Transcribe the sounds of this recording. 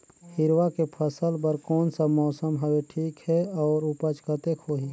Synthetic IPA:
hɪɾwakepʰəsəlpəɾkɔːnsamɔːsəmɦəweʈʰiːkhɛɔːɾʊpət͡ʃkət̪ekʰoːɦi

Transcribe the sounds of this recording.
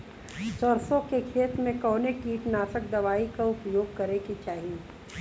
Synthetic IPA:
sɔɾsõkekʰeːt̪ɾmẽkɔːnekiːʈnaːsək̚d̪ɐʋaːikaʊpjoːɡ̚kɐɾekit͡ʃaːɦie

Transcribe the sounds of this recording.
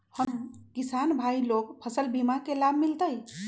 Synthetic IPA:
həmkisanbʱailokpʰəsəlbimakelabʱmilt̪əj

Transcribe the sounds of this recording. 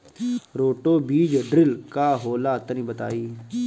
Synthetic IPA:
ɾoːʈoːbiːd͡ʒɖɾɪlkaːɦoːlaːt̪ənĩːbət̪a̰ːiː

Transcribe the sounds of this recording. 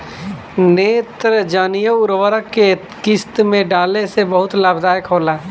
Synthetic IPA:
neːt̪ɾd͡ʒənijəʊɾʋəɾəkːe | kɪst̪mẽɖaːlesebəɦʊt̪laːbd̪aːjkɦoːla

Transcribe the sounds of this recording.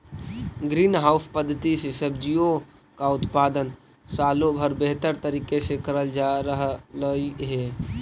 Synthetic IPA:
ɡɾiːnɦaːʊppəd̪ʱːət̪isesəbd͡ʒijo | kaʊt̪paːd̪ən | saːlobʱəɾbeɦt̪əɾt̪əɾiːkesekəɾəld͡ʒaɾəɦləiɦɛː

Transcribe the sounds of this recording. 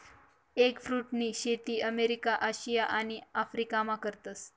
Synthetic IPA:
ekfɾuːʈniːɕet̪iːʔəmeɾikaʔaɕijaʔaɽ̃iafɾikamakəɾt̪əs

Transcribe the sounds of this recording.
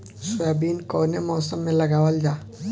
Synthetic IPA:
sʊjabiːnkɔːnemɔːsəmːẽlɐɡaːwəld͡ʒaː

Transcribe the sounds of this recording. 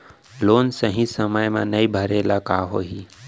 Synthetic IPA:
loːnsəɦĩsəməjmã̰nəibʱəɾeːlakaːɦo̰ːɦiː

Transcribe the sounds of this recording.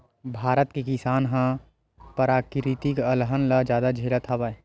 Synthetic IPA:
bʱaːɾət̪kekisaːnɦã | pəɾaːkɾit̪ikəlɦənləd͡ʒjaːd̪ad͡ʒʱeːlət̪ʰabae

